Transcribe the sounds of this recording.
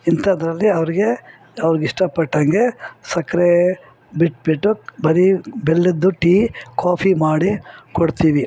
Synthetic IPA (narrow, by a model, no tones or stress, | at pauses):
int̪ʰɐːd̪ɾɐlːiɐʋɐɾiɡe | ɐʋɾiɡiʂʈɐpɐʈːɐŋɡesɐkɾe | biʈbiʈːubɐɾibelːid̪ːuʈiːkʰaːpʰimaːɽikoɽt̪iːʋi